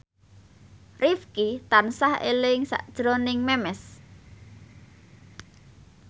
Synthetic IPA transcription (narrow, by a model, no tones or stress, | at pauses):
rifkit̪ansahḛlɪŋsa̰ʔd̥ʒ̥ɾonɪŋmɛmɛs